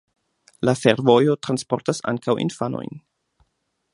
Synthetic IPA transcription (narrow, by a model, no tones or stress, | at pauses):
lafe̞ɾvo̞jo̞tɾanspo̞ɾtasa̰ŋkawʔḭnfano̞̰jn